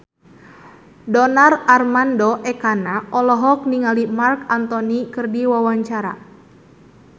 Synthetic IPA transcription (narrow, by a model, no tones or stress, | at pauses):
dɔnararmandɔʔɛkanaʔɔlɔɦɔk̚niŋalimarkant̪ɔnikɨrdiwawaɲt͡ʃaɾa̰